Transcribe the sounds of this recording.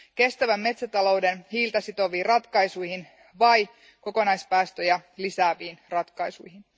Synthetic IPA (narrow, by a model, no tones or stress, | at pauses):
ke̞st̪æʋæmːe̞t̪sæt̪ɑlo̞wdenhiːlt̪ɑsit̪o̞ʋiːrɑt̪kɑjsujhin | ʋɑj | ko̞ko̞nɑjspæːst̪øjælisæːʋiːnrɑt̪kɑjsujhin